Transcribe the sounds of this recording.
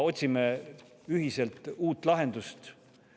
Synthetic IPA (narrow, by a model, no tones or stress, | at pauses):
o̞t̪ʲsime | yɦise̞lt̪ˑuːt̪ːˑlɑɦe̞nd̪̥ust̪